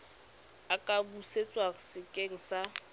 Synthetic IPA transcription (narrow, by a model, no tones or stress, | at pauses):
akʼabuset͡sʼwasɪkʼeŋ̩sa